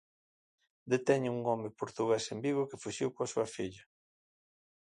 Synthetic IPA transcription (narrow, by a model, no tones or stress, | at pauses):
d̪et̪ɛɲuŋɔmepoɾt̪uɣesembiɣʊkɪfuʃiwkoasuɐfiʎɐ